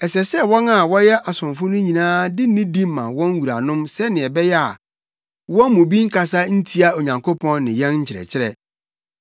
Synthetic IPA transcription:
ɛ˨sɛ˨sɛ˦wɔ̃˦na˨wɔ˦jɛ˦ʔa˨sʊ̃˨ɱfʊ̃˦nʊ̃˦ɲĩ˨nãː˦dɪ˦nɪ̃˦dĩ˦mː˨ã̰˨wɔ̃˦n˦wu˨ɾa̰˨nʊ̃˦msɛ˦nɪ̃˨ɛ˨bɛ˦jɛ˦a̰˨ | wɔ̃˦n˦mʊ̃˨bi˦ŋ̩˦kʰa˨sa˦n̩˦tʰi˦a˦o˨ɲã˨ŋkʰo˦pʰɔ̃˦nːɪ̃˨jɛ̃˦nɲ̩˦t͡ɕʰɪ˨ɾɛ̰˨t͡ɕʰɪ˦ɾɛ̰˨

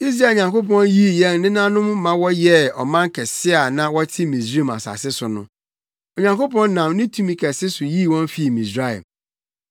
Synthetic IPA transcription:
i˦s̬ɾa˦˨ɲã˨ŋko˦pɔ̃˦nji˦˨jɛ̃˦n˨nɪ̃˦nã˦nʊ̃˦mːã˨wɔ˦jɛ˦ɔ˨mã˦ŋ˦kʰɛ˨sɪ˦a˨nã˨wɔ˦tʰɪ˦mĩ˨s̬ɾi˦˨ma̰˨sa̰˨sɪ˦sʊ˨nʊ̃˦ | o˨ɲã˨ŋko˦pɔ̃˦nːã˨m˦nĩ˦tʰũ˦mĩ˨kʰɛ˨sɪ˦sʊ˨ji˦˨wɔ̃˦n˦fi˨˦˨mĩ˨sɾa˦ɛ̰˨m

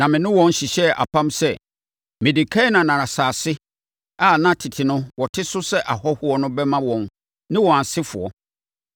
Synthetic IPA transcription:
nã˨mɪ̃˨nʊ̃˦wɔ̃˦n˦ɕi˨ɕɛ˦a̰˨pʰã˦msɛ˦ | mɪ̃˨di˨kʰa˦nã˨nã˨nã˨saː˨sɪ˦ | a˨nã˦tʰɪ˨tʰɪ˨nʊ̃˦wɔ˨tʰɪ˦sʊ˦sɛ˦ʔa˨hɔ˦hʊ˦ɔ˦nʊ̃˦bɛ˦mã˦wɔ̃˨n | nɪ̃˦wɔ̃˨a˨sɪ˦fʊ̰˨ɔ˦

